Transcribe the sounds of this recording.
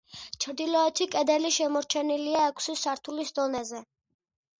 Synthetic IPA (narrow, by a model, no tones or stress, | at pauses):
t͡ʃʰɾd̪ilɔɛt̪ʰikʼɛd̪ɛliʃɛmɔɾt͡ʃʰɛniliaɛkʰsisaɾt̪ʰulisd̪ɔnɛzɛ